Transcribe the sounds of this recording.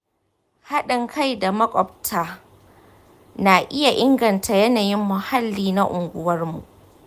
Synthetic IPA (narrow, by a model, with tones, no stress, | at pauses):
ha˦ɗɪ˨ŋkʰa˦˨jda˨mɐ˦kʷʼɔ˨b̚tʰaː˦ | na˨ʔɪ˦ja˨ʔɪ˦ŋɡɐ˨ntʰa˨jɛ˦naː˨jɪ˦mːʊ˨ha˦lːiː˦na˦ʔʊ˨ŋɡʷʊ˦wɐ˦rmṵ˨ʔ